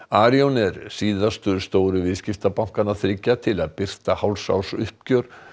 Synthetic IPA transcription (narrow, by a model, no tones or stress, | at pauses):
aːɾjownɛɾsiːðast̪ʏðɾst̪oːwɾʏvɪðscɪft̪apawŋ̥kanaðθɾɪcːat̪ʰɪlaðpɪr̥t̪ahawlsa̰wsʏhpcœɾ̥